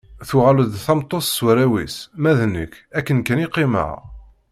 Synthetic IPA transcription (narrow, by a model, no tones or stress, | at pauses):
θʊʁæləd̪θɑmt̪ˤːosswɾæwḭsmæðnə̰kːækːənkæniqːimə̰ʁ